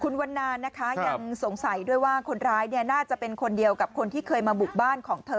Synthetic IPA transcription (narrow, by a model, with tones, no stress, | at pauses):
kʰu˧nwa˧nːaː˧nːa˦˥kʰa˦˥ja˧ŋso˨˩˦ŋsa˩˦jdu˥˩əjwaː˥˩kʰo˧nɾaː˦˥jni˥˩ɐnaː˥˩t͡ɕa˨˩pe˧nkʰo˧ndi˧əwka˨˩p̚kʰo˧nt̪ʰiː˥˩kʰɤː˧jmaː˧bu˨˩k̚baː˥˩nkʰɔː˩˦ŋt̪ʰɤː˧